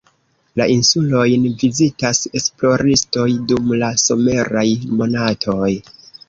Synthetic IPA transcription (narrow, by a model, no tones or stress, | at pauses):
laʔinsulo̞jnvizitase̞splo̞ɾisto̞jdumlaso̞me̞ɾajmo̞natʰo̞j